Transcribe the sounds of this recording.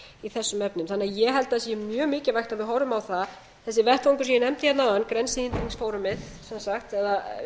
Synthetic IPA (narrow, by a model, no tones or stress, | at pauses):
iθɛsːʏmɛpnʏmθanːɛajɛɣɦɛlt̪aðsjɪmjœːɣmɪːcɪvajxt̪aðvɪðɦɔɾʏmawθa | θɛsːɪvɛht̪vɔŋkʏɾs̬iːjnɛmt̪ɪjɛt̪nawðankɾɛnsɪint̪ɾiŋsfoːwɾʏmɪð | sɛnsaxt̪ɛða